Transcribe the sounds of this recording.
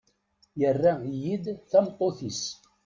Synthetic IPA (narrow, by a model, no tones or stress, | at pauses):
jərːæjid̪θæmt̪ˤːoθis